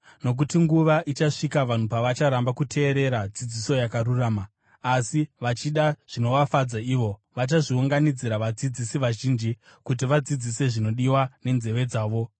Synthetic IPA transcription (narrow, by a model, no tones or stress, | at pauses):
no̞k̬utiŋɡuʋaʔit͡ʃaʂikaʋan̤upaʋat͡ʃaɾambakutʰe̞ːɾe̞ɾad͡zid͡ziso̞jakaɾuraːmaː | siʋat͡ʃiɗaʐ̥ino̞ʋafad͡zaiʋo̞ | ʋat͡ʃaʐiuŋɡanid͡ziɾaʋad͡zid͡zisiʋaʒiːnd͡ʒi | kut̬iʋad͡zid͡zise̞ʐino̞ɗiwane̞nze̞ʋe̞d͡zaːʋo̞